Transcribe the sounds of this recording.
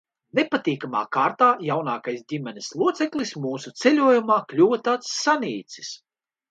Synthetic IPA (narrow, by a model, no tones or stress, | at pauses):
nepat̪ʲiːkama̰ːkaːɾt̪aːjawnaːkajsdʲimɛnʲislˠuɔt̪sɛklismuːsut̪selʲuɔjumaːklʲuːvɐt̪aːt̪sːanʲiːt̪si̥s